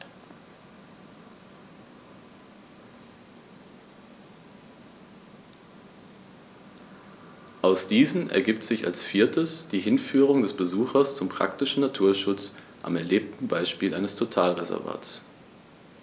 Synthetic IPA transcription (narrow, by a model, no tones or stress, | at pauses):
ʔaʊsd̥iːzn̩ʔɛ̰ɐɡiːp̚tz̥ɪça̰lsfiːɐtʰəsd̥iːɦɪnfyːʁ̞ʊŋdɛsb̥əzuːxɐst͡sʊmpʁ̥a̰ktɪʃn̩natʰuːɐʃʊt͡s | ʔa̰mɛɐleːp̚tn̩baɪʃpiːlʔaɪnəstʰotʰaːlʁezɛ̰ɐva̰ːts